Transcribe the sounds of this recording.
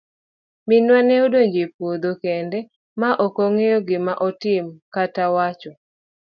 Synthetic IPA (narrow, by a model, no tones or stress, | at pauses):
mɪnwanɛodoɲd͡ʒepod̪okɛndɛ | maʔɔkoŋejɔɡɪmaʔɔtɪmkatawat͡ʃɔ